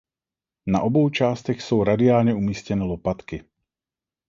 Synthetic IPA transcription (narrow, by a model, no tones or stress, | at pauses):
na̰ʔɔbɔʊt͡ʃaːst̪ɛxsowɾad̪ɪaːlɲɛumiːscɛnɛːlɔpat̪ki